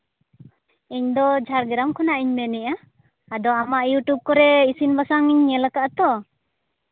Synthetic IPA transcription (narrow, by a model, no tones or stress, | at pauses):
iɲd̪ɔd͡ʒʱaɾɡɾamkʰɔnaʔiɲmɛniʔa | ad̪ɔamaʔjuʈub̚kɔɾɛisinbasaŋiɲːɛlakaʔt̪ɔ